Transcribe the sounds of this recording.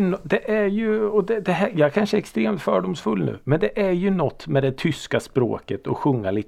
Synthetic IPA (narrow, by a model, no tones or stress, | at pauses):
nɔd̪ɛʔæɾjɵɔd̪ɛd̪ɛɦæjɑːɡækʰanʂəɛkst̪ɾeːmt̪fœːɖʊmsfɵlnʉ̟̰ːmɛnd̪ɛʔæɾjɵnɔt̪ːmɛd̪ɛt̪ʰʏskaspɾo̰ːkət̪ʰɔɧɵŋːalɪt̪ː